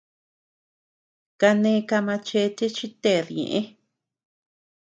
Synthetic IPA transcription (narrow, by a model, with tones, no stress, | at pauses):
ka˧nẽ˧˦˧ka˧mã˧t͡ʃe˧˦˧t̪e˦t͡ʃi˦t̪e˦˨ɾɲḛ̃˨ʔẽ˦